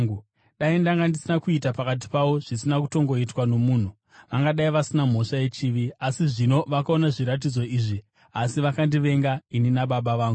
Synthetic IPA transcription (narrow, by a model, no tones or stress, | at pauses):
u | ɗaindaŋɡandisinakuitapakat̬i̥paʋo̞ʐ̥isinakuto̞ŋɡo̞itwano̞muːn̤u | ʋaŋɡaɗaiʋasinam̤o̞ʂaje̞t͡ʃiːʋiasiʐino̞ʋakao̞naʐiɾat̬id͡zo̞iːʐi | asiʋakandiʋe̞ŋɡaininaɓaɓaʋaːŋɡu